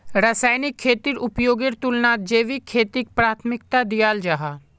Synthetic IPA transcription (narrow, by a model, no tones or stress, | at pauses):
ɾasaːɪnɪkʰːeːt̪iɾʊpjoːɡeɾt̪ʊlnaːt̪̚d͡ʒeːʋikʰeːt̪ik̚pɾaːt̪ʰmɪk̚t̪ad̪ijaːld͡ʒaɦaː